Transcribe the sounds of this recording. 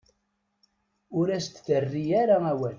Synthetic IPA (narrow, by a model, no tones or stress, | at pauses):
ʊɾæst̪θərːijæɾaæwæn